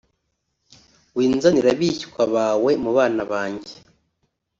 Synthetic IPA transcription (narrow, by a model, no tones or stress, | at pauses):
wiːnzaniɾaβiçi̥kwaβaːwe̞muβaːnaβaːɲɟe̥